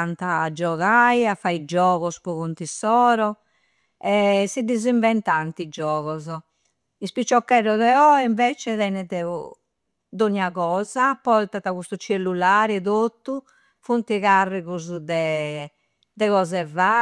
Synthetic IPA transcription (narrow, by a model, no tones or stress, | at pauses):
ant̪aːd͡ʒɔɣajafaid͡ʒɔːɣɔspɔɣont̪isɔːɾɔ | ɛsid̪ːiziɱvɛnt̪ant̪id͡ʒɔːɣɔzɔ | ispit͡ʃːɔkːɛɾɔðɛɔiɱvɛːt͡ʃɛðɛnɛðɛu | d̪oɲːaɣɔːzapɔt̪at̪ːaɣust̪ut͡ʃelːulaːɾɛðot̪ːu | funt̪iɣarːiɣuzd̪ɛ | d̪ɛɣɔzɛva